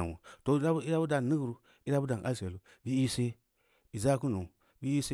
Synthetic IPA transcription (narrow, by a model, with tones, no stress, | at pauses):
nwṵ˨to˨˦i˦ɾa˦bu˦da˨ni˦ɡɾu˦ | i˦ɾa˦bu˦da˨nʔa̰˦lse˨lu˦ | bi˦i˦se˦ | i˨za˦ku˦nu˨ | bi˦i˦se˦